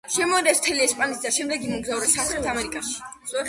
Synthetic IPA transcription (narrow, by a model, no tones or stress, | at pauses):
ʃɛmɔd̪ɛsm̥t̪ʰɛliɛspʼanit̪ʰd̪aʃɛmd̪ɛɡimɔɡzauɾɛsaχɾɛt̪ʰamɛɾikʼaʃi̥